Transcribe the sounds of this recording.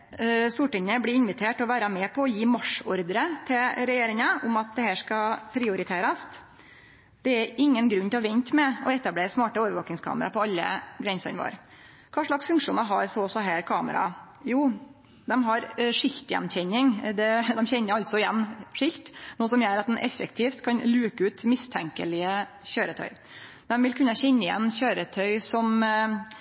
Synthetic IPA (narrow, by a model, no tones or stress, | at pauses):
st̪uːʈɪŋəblɪɪnʋɪt̪ʰeːʈɔʋæːɾɑmɛːpʰɔɔjiːmɑʂɔɾd̪əɾət̪ʰɪlɾɛjeːɾɪŋəʔʊmɑt̪̚d̪ɛhæːʂkɑpʰɾɪʊɾɪt̪ʰeːɾɑst̪ | d̪̥ɛæɾɪŋːənɡɾʉnːt̪ɛlɑʋɛnt̪mɛɔɛt̪ːɑbleːɾəsmɑːʈəoːʋəɾʋoːkɪŋskʰɑ̰ːməɾɑpʰɔɑlːə̰ɡɾɛnsɔ̰nʋo̰ːɾ | kʰɑːʂɭɑksfʉŋkʂuːnɑɦɑɾsɔsɔɦæːɾkʰɑːmə̰ɾɑ̰ | juː | d̪ɛmɦɑɾʂɪlt̪jɛ̰nçɛnːɪŋd̪ɛd̪ɛmçɛnːəɾɑlt̪sɔɪjɛnːʂɪlt̪nuːəsɔmjøːɾɑt̪̚d̪ɛnʔɛ̰fːəkt̪ʰiːft̪kʰɑnlʉːkəʉːt̪mɪst̪ʰɛŋkəlɪəɕøːɾət̪ʰœ̰ʏ | d̪̥ɛmʋɪlkʰʉnːəɕɛnːəɪjɛ̰nːɕøːɾət̪ʰœʏsɔm